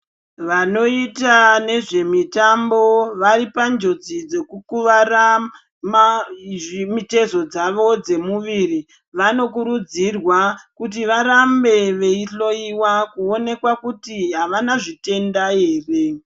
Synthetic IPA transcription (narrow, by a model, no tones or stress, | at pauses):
ʋano̞itane̞ʐe̞mitambo̞ʋaɾipand͡ʒo̞d͡zid͡ze̞kukuʋara | ma | mite̞zo̞d͡zaʋo̞d͡ze̞muʋiri | ʋano̞kuɾud͡zirwakut̬iʋaɾambe̞ʋe̞iɬo̞iwakuo̞ne̞kwakutiɦaʋanaʐite̞ndae̞ːre̞